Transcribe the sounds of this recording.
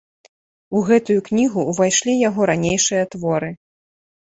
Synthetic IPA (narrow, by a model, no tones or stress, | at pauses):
uɣɛt̪ujuknʲiɣuːvajʂlʲijaɣɔɾanʲejʂɨjɐt̪vɔɾɨ